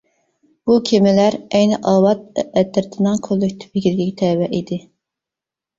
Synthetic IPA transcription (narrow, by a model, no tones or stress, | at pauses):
b̥ukʲʰemɪlæɾɛjnɪʔɑːwɑt̪̚ɛt̪ːɪɾt̪ʰɪnɨŋkʰølːykʲt̪ʰɪ̥pɪɡʲiɾɡʲikʲt̪ʰɛwɛʔid̪ɪ